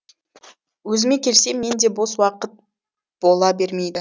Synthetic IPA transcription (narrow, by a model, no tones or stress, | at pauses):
wɵzɪme̞kʲʰe̞lse̞mːe̞nd̪e̞boswɑqət̪̚ | b̥o̞lˠɑbe̞ɾme̞jd̪ɪ